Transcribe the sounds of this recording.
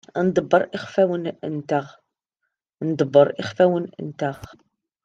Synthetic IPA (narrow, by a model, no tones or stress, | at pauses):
nd̪ˤəbːəɾˤʔiχfæwən̰nt̪aʁ | nd̪ˤbːəɾˤɪ̰χfæwənə̰nt̪aʁ